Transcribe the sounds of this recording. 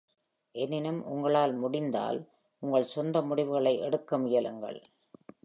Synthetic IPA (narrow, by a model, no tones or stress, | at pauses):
ʔɛnːɪnɐmʔʊ̰ŋɡɐɭaːlmʊɽɪnd̪a̰ːl | ʔʊŋɡɐɭsɔnd̪ɐmʊɽɪʋɯɣɐɭɐɪʔɛɽɯkːɐmʊjɐlɯŋɡɐ̰ɭ